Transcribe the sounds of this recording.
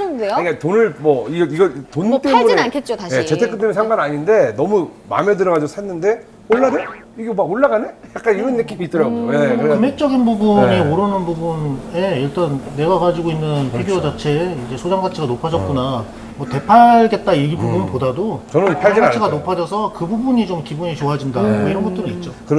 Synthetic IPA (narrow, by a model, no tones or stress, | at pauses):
ɯndeokatonɯɭmʌiɡiɡʌtont͈emunienankʰet̚t͡ɕ͈otaɕjet͡ɕetʰek͈ɯd͈emɯnsʰaŋɡanaɲinde̞nʌmuma̰medɯɾʌɣad͡ʑiɡosʰenːɯnde̞ | oɭːade | iɡemaɡoɭːaɡanejak̚k͈aniɾɯnːek͈imit͈ɯɾʌɡojekɯɾkɯmɦek̚t͡ɕ͈ʌɡinbubuɲioɾɯnɯnbubuneiɭt͈anːe̞ɡaɡad͡ʑiɡoinːɯnpʰiɡjood͡ʑat͡ɕʰe̞id͡ʑe̞sʰod͡ʑaŋɡat͡ɕʰiɡanopʰad͡ʑʌt̚k͈una | mwʌte̞pʰaɭɡe̞t̚t͈aipubunɯpodadot͡ɕʌnɯnpʰaɡiɡat͡ɕʰiɡanopʰad͡ʑʌsʰʌkɯbubuɲit͡ɕomkibuɲit͡ɕoɦad͡ʑindaoiɾʌnɡʌt͈ɯɾɯnit̚t͡ɕ͈okɯɾ